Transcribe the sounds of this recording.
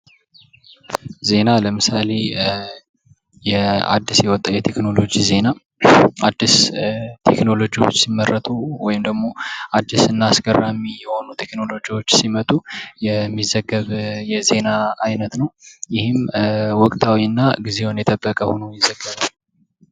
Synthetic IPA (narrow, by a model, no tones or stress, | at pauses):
ze̞naləmɨsale̞ | jɛa̰d̪ːisjɛwɔt̪ʼːawjɛt̪ʰe̞kno̞lo̞d͡ʒize̞na | ad̪ːist̪ʰe̞kno̞lo̞d͡ʒiwo̞t͡ʃːsimːərːət̪ʼuwɔjɪmd̪əɡmo̞ad̪ːisɨnːasɡərːamijɛho̞nut̪ʰe̞kno̞lo̞d͡ʒiwo̞t͡ʃːsimət̪ʼujɛmːizəɡːəβjɛze̞naajnət̪nəwjɪhɪmwɔkʼt̪ʼʰawiɨnːaɡize̞wnjɛt̪ʼəbːəkʼəhonojɪzəɡːəβal